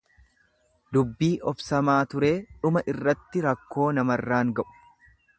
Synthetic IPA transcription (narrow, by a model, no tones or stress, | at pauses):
d̪ʊbːiːʔɔfsɐmaːt̪ʊɾe̞ːᶑʊmɐʔɪrːɐt̪ːɪɾɐkːo̞ːnɐmɐrːaːŋɡɐʔʊ̥